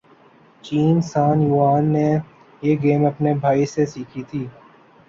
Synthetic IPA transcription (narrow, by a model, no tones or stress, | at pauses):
t͡ʃiːnsaːnjuːaːnːe | jeːɡeːmɐpnebʱaːisesiːkʰit̪ʰiː